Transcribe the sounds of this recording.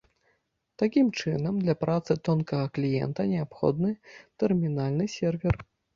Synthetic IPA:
t̪akʲimt͡ʂɨnɐmd̪lʲɐpɾʔat̪sɨt̪ɔnkɐɣɐklʲijɛ̰nt̪ɐnʲɛapxɔ̰d̪nɨt̪ɛrmʲinalʲnɨsʲɛrvʲɛr

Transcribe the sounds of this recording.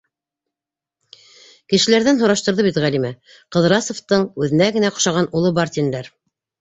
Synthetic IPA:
kɘ̆ʃɘ̆læɾðænɦŏɾɑʃt̪ŏɾðɤβit̪ʁælʲimæ | qɤ̆ðɾɑsŏft̪ɤɴʉðɘ̆næɡɘ̆næqŏ̥ʃɑʁɑnulˠɤbɑɾt̪ʲind̪æɾ

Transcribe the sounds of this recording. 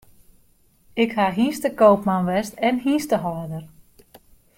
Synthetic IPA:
ɪkhaɦiːstəkowpmanʋɛstɛnɦiːstəɦɔːdər

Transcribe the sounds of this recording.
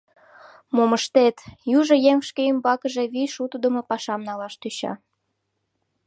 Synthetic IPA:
moməʃt̪et̪juʒojeŋʃkeymbɑkəʒe̽βiʃut̪əd̪əmopɑʃɑmnɑlɑʃt̪yɕɑ̰

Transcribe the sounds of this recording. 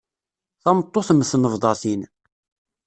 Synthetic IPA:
θɑmət̪ˤːoθməsnəvðˤɑθin

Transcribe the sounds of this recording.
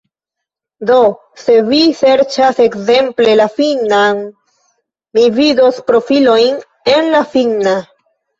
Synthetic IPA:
do̞ | se̞vise̞ɾt͡ʃase̞kze̞mple̞lafinan | mivido̞spɾo̞filo̞jn | e̞nlafina

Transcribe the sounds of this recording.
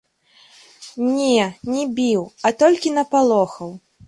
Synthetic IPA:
nʲɛnʲɛbʲiwɐt̪ɔlʲkʲinɐpalˠɔxɐw

